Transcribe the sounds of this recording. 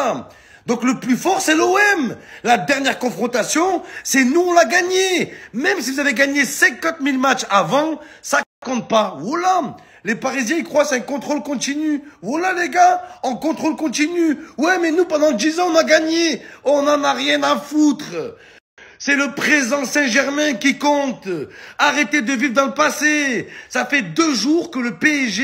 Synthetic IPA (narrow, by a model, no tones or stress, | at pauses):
d̪ɔ̃kləplyfɔʁsɛloɛmlad̪ɛʁnjɛʁkɔ̃fχɔ̃t̪asjɔ̃sɛnuɔ̃laɡaɲemɛmsivuzaveɡaɲesɛ̃kɑ̃t̪milmatt͡ʃavɑ̃sakkɔ̃t̪̚paola | lepaʁizjɛ̃ikχwasɛɛ̃kɔ̃t̪χolkɔ̃t̪inyvalaleɡaɑ̃kɔ̃t̪χolkɔ̃t̪inywɛmɛnupɑ̃d̪ɑ̃d̪izɑ̃ɔ̃naɡaɲeɔ̃nɑ̃naʁjɛ̃afut̪χ | sɛləpχezɑ̃sɛ̃ʒɛʁmɛ̃kʲikɔ̃t̪aʁet̪ed̪əvivʁd̪ɑ̃ləpasesafɛd̪øʒuʁkələpeɛʒe